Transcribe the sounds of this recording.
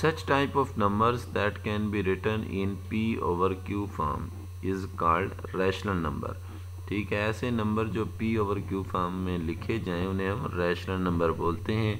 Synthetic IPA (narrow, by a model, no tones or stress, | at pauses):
sɐt͡ʃʈaːɪpɔːfnɐ̃mbəɾzd̪ɛʈkɛ̃ːnbiɾɪʈəɾnɪ̰̃npiːo̰ːʋəɾkjuːfa̰ːɾm | ɪzkaːɾɖɾɛːʃləɾnɐ̰̃mbə̰ɾ | ʈʰiːkɦɛɛːsenɐ̃mbəɾd͡ʒoːpiːoːʋəɾkjuːfaːɾmːẽlɪkʰed͡ʒãːẽʊnɦẽɦɐ̃mɾɛːʃləɾnɐ̃mbəɾboːlt̪eɦɛ̃ː